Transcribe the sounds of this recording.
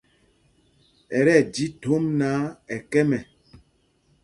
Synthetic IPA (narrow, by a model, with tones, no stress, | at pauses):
ɛ˨ɾɛ˦˨d͡ʒi˦to˨˦mnaː˨˦ɛ˨kɛ˦mɛ˨